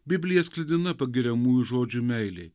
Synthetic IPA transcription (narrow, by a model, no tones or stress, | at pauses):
bʲɪbʲlʲɪjɛsʲklʲɪd̪ʲɪnɐpɐɡʲɪɾʲɛmuːjuʒoːd͡ʒʲumʲɛɪlʲeɪ